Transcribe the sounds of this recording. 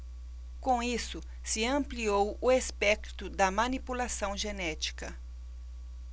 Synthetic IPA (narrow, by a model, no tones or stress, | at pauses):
kõisʊ | sɪɐ̃mpliowʊespɛkt̪ʊd̪ɐmɐnipulasɐ̃w̃ʒenɛt͡ʃi̥kɐ̰